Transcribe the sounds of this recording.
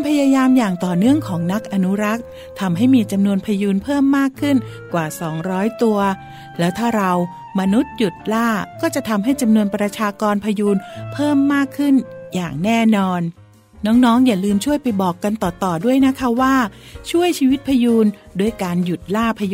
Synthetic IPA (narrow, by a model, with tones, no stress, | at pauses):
a˧mpʰa˧jaː˧jaː˧mjaː˨˩ŋt̪ɔː˨˩nɯ˥˩əŋkʰɔː˩˦ŋna˦˥k̚ʔa˧nu˦˥ɾa˦˥k̚ | t̪ʰa˧mɦa˥˩jmiː˧t͡ɕa˧mnu˧ənpʰa˧juː˧npʰɤː˥˩mːaː˥˩kʰːɯ˥˩n | kwaː˨˩sɔː˩˦ŋɾɔː˦˥jt̪u˧ɐ | lɛː˦˥wt̪ʰaː˥˩ɾa˧w | ma˧nu˦˥t̪̚ju˨˩t̪̚laː˥˩kɔː˥˩t͡ɕa˨˩ʔt̪ʰa˧mɦa˥˩jt͡ɕa˧mnu˧ənpɾa˧t͡ɕʰaː˧kɔː˧npʰa˧juː˧npʰɤː˥˩mːaː˥˩kʰːɯ˥˩njaː˨˩ŋnɛː˥˩nɔː˧nː | ɔː˦˥ŋnɔː˦˥ŋja˨˩lɯː˧mt͡ɕʰu˥˩əjpa˧jbɔː˨˩kːa˧nt̪ɔː˨˩t̪ɔː˨˩du˥˩əjna˦˥kʰa˦˥waː˥˩t͡ɕʰu˥˩əjt͡ɕʰiː˧wi˦˥t̪̚pʰa˧juː˧ndoː˧jkaː˧nju˨˩t̪̚laː˥˩pʰa˧j